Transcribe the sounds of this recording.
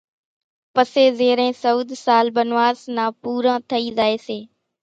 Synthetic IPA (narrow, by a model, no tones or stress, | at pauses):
pəseːzeːɾẽːsəuːd̪ʱsaːlbənʋaːznãːpuːɾãːt̪ʰəiːzaːeːseː